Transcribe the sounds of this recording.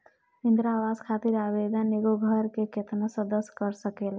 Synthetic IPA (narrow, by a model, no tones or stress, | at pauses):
ind̪ɾawaskʰat̪iɾabed̪əneɡoɡʱəɾkeket̪ʰnasəd̪əskəɾsəkel